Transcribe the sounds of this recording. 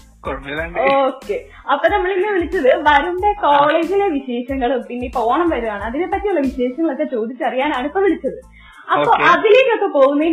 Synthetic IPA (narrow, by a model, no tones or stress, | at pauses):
kooːkːe̞ | ɐpːoːnɐmːɐɭinːɨʋiɭit͡ɕːɐðɨʋɐɾunde̞koːɭeːd͡ʑileʋiɕe̞ːʂɐŋːɐɭumpinːepo̞ːɐɳɐmʋɐɾuðaːɳɨɐðinepːɐtːijuɭːɐʋiɕe̞ːɕɐŋːɐɭokːet͡ɕo̞ːd̪it͡ɕːɨɐrijaːnaːɳipːoːʋiɭit͡ɕːɐðɨ | ɐpːoːʔɐðileːkʲːo̞kːe̞po̞ːɣunːɐi